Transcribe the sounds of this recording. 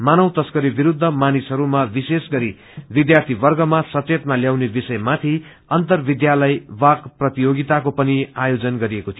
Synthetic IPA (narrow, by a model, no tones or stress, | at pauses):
manʌwt̪ʌskʌɾibiɾud̪ʱːʌmanisɦʌɾumabisesɡʌɾi | bid̪jart̪ʰibʌrɡʌmasʌt͡set̪maljawnebisʌjmat̪ʰi | ʌnt̪ʌrbid̪jalʌjbakprʌt̪ijoɡit̪akopʌniajod͡zʌnɡʌɾiekot̪ʰijo